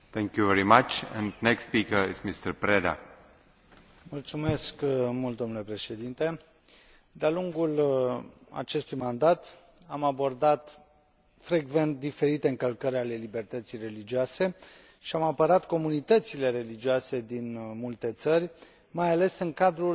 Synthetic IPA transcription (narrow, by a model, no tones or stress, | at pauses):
θɛ̃ŋkjuvɛɹimat͡ʃɛ̰̃ndnɛkspikəizmist̪əɾpɾed̪a̰ | mult̪sume̞skmult̪̚d̪o̞nule̞pɾe̞ʃe̞d̪int̪e̞ | d̪ealuŋɡul | a̰t͡ʃe̞st̪ujmand̪at̪ | amabo̞rd̪at̪ | fɾe̞ɡve̞nt̪̚d̪ife̞ɾit̪e̞ɨŋkəlkəɾʲale̞libe̞rt̪ət̪sijre̞lid͡ʒioase̞ | ʃiamapəɾat̪ko̞munit̪ət̪sile̞ɾe̞lid͡ʒioase̞d̪inmult̪e̞t̪sərʲ | majale̞sɨŋkad̪ɾul